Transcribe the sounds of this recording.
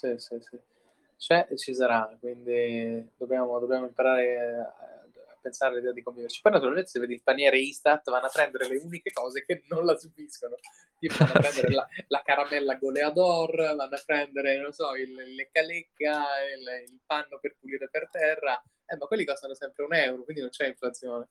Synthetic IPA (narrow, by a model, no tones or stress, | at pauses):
sisisi | t͡ʃɛʔt͡ʃis̬aɾakwind̪id̪objaːmod̪objaːmoimpaɾaːɾea̰ | apːensaɾealid̪ɛːad̪ikoɱvivert͡ʃi̥pɔjnat̪uɾalmẽnt̪esevːed̪ilpanjɛːɾeist̪at̪vanːoapːɾɛnd̪eɾeleunikekɔːzekenːonlasubiskono | t̪ipovanːapːɾɛnd̪eɾelalakaɾamɛlːaɡolead̪ɔrvanːoapːɾɛnd̪eɾenonsɔillekalekːaililpanːoperpuliːɾepert̪ɛrːa | ɛmːakːwelːikɔst̪anosɛmpɾeunɛwɾokwind̪inont͡ʃɛĩɱflat̪sːjoːne